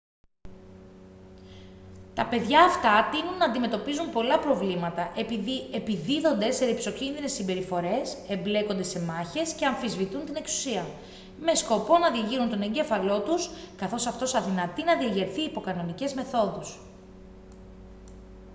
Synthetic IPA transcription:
t̪ɐpe̞ðʝɐːft̪ɐt̪inunːɐːnd̪ime̞t̪opizunpo̞lɐpɾo̞vlimɐt̪ɐʔe̞piðie̞piðiðo̞nd̪e̞seɾipso̞cinðine̞sːimbe̞ɾifo̞ɾe̞se̞mble̞ko̞nd̪e̞se̞mɐçe̞sceɐɱfizvit̪unt̪ine̞ksu̥siɐ | me̞sko̞po̞nɐðiɐʝiɾunt̪o̞ne̞ɲɟe̞fɐlo̞t̪uskɐθo̞sɐft̪o̞sɐðinɐt̪inɐðiɐʝeɾθiːpo̞kɐno̞nice̞zme̞θo̞ðus

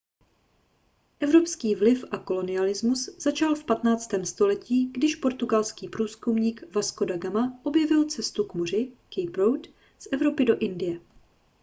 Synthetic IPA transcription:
ʔɛvɾo̞pskiːvlɪfʔako̞lo̞nɪalɪzmusz̥at͡ʃalfpat̪naːt͡st̪ɛːmst̪o̞lɛciːɡdɪʃpo̞ɾt̪uɡalskiːpɾuːskumɲiːkvasko̞daɡamaʔo̞bjɛvɪlt͡sɛst̪ukmor̝ɪkejpɾowt̪ | sʔɛvɾo̞pɪdo̞ʔɪndɪjɛ

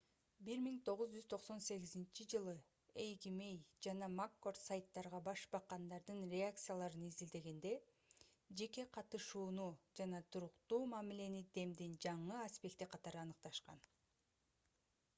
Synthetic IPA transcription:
biɾmiŋt̪ʰo̞ʁuzd͡ʒyzt̪ʰo̞qso̞nse̞ɣizint͡ʃʰid͡ʒɯlˠɯ | ejɡime̞jd͡ʒɑnɑmakːo̞rt̪sajt̪ːɑɾʁɑbɑʃbɑqːɑnd̪ɑɾd̪ɯnɾʲeak̚t̪sɨjalˠɑɾɯnizild̪e̞ɡe̞nd̪e̞ | d͡ʒe̞ke̞qʰɑt̪ɯʃuːnud͡ʒɑnɑt̪ʰuɾuqt̪uːmɑmile̞nid̪e̞md̪ind͡ʒɑɴɯaspʲe̞k̚t̪iqʰɑt̪ɑɾɯɑnɯq̚t̪ɑʃqɑ̰n

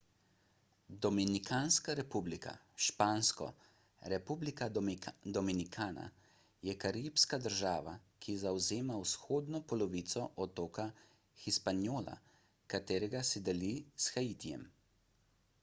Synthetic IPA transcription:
d̪ɔminikʰaːnskaɾɛpublikʰa̰ | ʃpaːnskɔ̰ | ɾɛpublikad̪ɔminikʰaːna̰ | jɛkaɾipskad̪əɾʒaːʋa̰kʰizawzeːmawsxoːd̪nɔpɔlɔʋiːt̪sɔʔɔt̪oːka | xispanjoːla̰ | kat̪eːɾɛɡasɛd̪ɛlisxaiːt̪ijɛ̰m

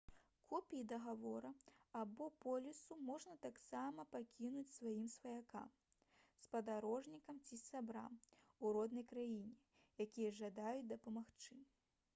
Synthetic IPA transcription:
kʰɔpʲiid̪ɐɣavɔɾɐabɔpɔlʲisumɔʐnɐt̪aksamɐpakʲinut͡sʲsvajimsvɐjaka̰m | spɐd̪aɾɔʐnʲikɐmt͡sʲisʲabɾa̰m | uɾɔd̪nɐjkɾajinʲɛ | jakʲijɐʐɐd̪ajut͡sʲd̪ɐpɐmaxt͡ʂɨ

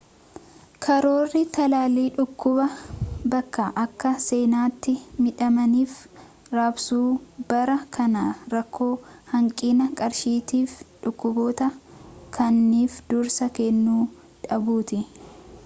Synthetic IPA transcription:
kʰɐɾo̞ːrːɪt̪ɐlaːliːᶑʊkːʊbɐbɐkːaʔɐkːɐse̞ːnaːt̪ːɪmɪᶑɐmɐniːf | ɾaːbsuːbɐɾɐkʰɐnɐɾɐkʰːo̞ːhɐŋkʼiːnɐkʼɐɾʃiːt̪iːfᶑʊkːʊbo̞ːt̪ɐkʰɐnːiːfd̪̥ʊɾsɐkɛnːuː | ᶑɐbuːt̪ɪ

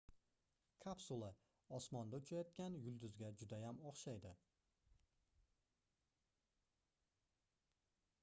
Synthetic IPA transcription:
kʰapsulˠa | ɒsmɒnd̪aʊt͡ʃʰajɒt̪̚kʲanjʊlˠd̪ʊzɡʲad͡ʒʊd̪ajamɒχʃajd̪ɪ

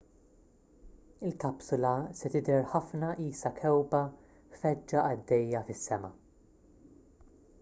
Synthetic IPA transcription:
ɪlkɐpsʊlɐsɛt̪ɪd̪ɛɾħɐfnɐʔiːsɐkʰɛwbɐ | fɛd͡ʒːɐʔɐd̪ːɛjːɐfɪsːɛmɐ̰

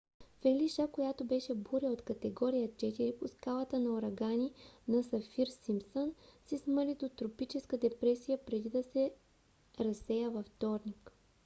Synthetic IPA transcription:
fɛlʲiʃakojat̪obɛʃɛbuɾəot̪kɐt̪ɛɡɔɾijət͡ʃɛt̪iɾiposkalˠɐt̪ənɐoɾɐɡaninɐsɐfiɾsimsənsisməlid̪ot̪ɾopit͡ʃɛskəd̪ɛpɾɛsijəpɾɛd̪id̪ɐsɛ | ɾɐsɛjəvɐft̪ɔɾnik

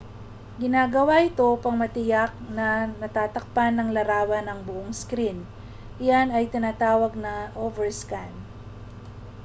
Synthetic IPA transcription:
ɡɪnaːɡɐwaʔɪt̪o̞pɐŋmɐt̪ɪjak̚nɐnɐt̪aːt̪ɐk̚panːɐŋlɐɾaːwɐnɐŋbʊʔoŋskɾin | ʔɪjanɐjt̪ɪnaːt̪aːwɐɡ̚nɐʔovɛɹskan

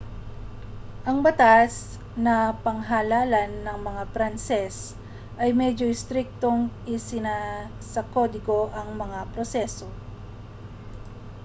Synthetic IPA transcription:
ʔɐŋbɐt̪as | nɐpɐŋɦalaːlɐnːɐŋmɐŋapɾansɛs | ʔɐjmɛd͡ʒo̞ɪst̪ɾɪk̚t̪o̞ŋʔɪsɪna | sɐko̞d̪ɪɡo̞ʔɐŋmɐŋapɾosɛso̞

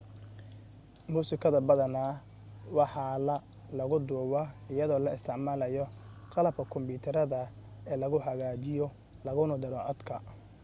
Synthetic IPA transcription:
muːsɪkʰɐðɐbɐðɐnaː | wɑħɑlɐ | lɐɣʊd̪uːwaɪjɐðɔːlɐɪst̪ʰɪʕmaːlɐjɔqɑlɐb̚kʰɐkʰɔmbuːt̪ʰɐɾɐðɐ | ɛːlɐɣʊħɐɣaːt͡ʃɪjɔ | lɐɣʊnʊd̪ɐlɔʕɔd̪kʰɐ

